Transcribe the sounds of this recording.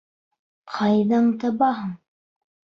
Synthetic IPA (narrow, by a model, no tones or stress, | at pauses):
qʰɑjðɑɴt̪ɑbɑɦɤɴ